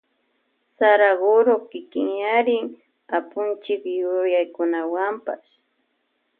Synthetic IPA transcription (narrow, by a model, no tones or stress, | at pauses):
saɾaɢʊɾokɪkɪŋjaɾɪŋ | apʊnt͡ʃɪkjʊjajkʊnawampa̰s